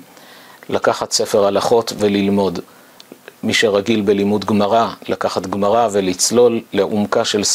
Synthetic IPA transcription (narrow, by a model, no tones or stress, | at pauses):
lakaχatse̞fe̞ʁalaχo̞tvelilmo̞d | miʃeʁaɡilbe̞limudɡmaʁalʔakaχat̪ɡmaʁave̞lit͡slo̞lːeʔumkaʃe̞ls